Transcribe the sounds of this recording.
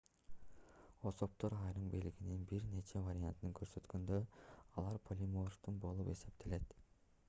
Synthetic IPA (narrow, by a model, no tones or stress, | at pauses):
osop̚t̪o̞ɾɑjɾɯmbiliɡininbiɾne̞t͡ʃʰe̞vaɾʲiant̪nɯŋkʰø̞ɾsø̞t̪kønd̪øɑlˠɑɾpʰolʲimort̪unbo̞lˠupe̞se̞p̚t̪ʰele̞t̪